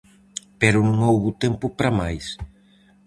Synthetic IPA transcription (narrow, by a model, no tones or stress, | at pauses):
pɛɾʊnũŋowβʊt̪ɛmpʊpɾamajs